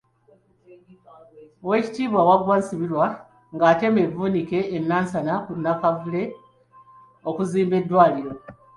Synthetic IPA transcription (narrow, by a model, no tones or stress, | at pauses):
we̞ːci̥tiːβwawaɡwansiβiɾwa | ŋɡaːte̞me̞vuːnike̞ːnːaːnsanakunːakavule̞ | okuziːmbe̞dːwaːliɾo̞